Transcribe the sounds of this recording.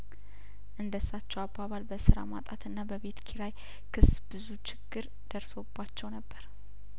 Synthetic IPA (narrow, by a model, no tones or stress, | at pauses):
ʔɨnd̪əsːat͡ʃːɛwabaβalbəsɨɾa̰ma̰t̪ʼat̪ʰɨnːabəβe̞t̪kʰiɾaj | kʰɨsbɨzut͡ʃʰɪɡ̥ːɨɾ | d̪̥əɾso̞bːat͡ʃːɛwnəbːəɾ